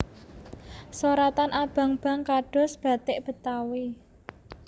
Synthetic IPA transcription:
soɾat̪anʔab̥a̤ŋb̥a̤ŋkaɖ̥ɔ̤sb̥a̤t̪ɪʔb̥ə̤t̪awe

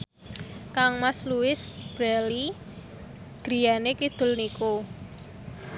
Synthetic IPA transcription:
kaŋmasluɪsb̥ɾali | ɡ̥ɾi̤janekid̪̥ʊ̤lniko

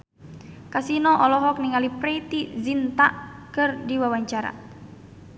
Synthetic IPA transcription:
kasinɔʔɔlɔɦɔkniŋalipɾɛt̪izint̪aʔkɨrdiwawaɲt͡ʃaɾa̰

